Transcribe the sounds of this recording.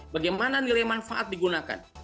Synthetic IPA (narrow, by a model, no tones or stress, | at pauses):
baɡajmananilemanfaʔat̪̚diɡunaka̰n